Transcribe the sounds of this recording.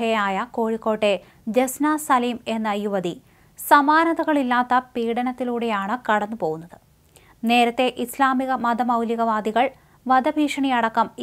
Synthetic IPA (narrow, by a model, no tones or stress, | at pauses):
ɐjaːjɐko̞ːɻikːo̞ːʈːe̞ | d͡ʑesnaːsɐliːme̞nːɐjuʋɐd̪i | sɐmaːnɐðɐɣɐɭilːaːt̪ːɐpiːɽɐnɐt̪ːiluːɽe̞jaːɳɨkɐɽɐnːupo̞ːɣunːɐðɨ | ne̞ːɾɐt̪ːe̞ʔislaːmiɣɐmɐd̪ʱɐmɐwliɣɐʋaːd̪iɣɐɭ | ʋɐd̪ɐbʱiːʂɐɳijɐɽɐkːɐm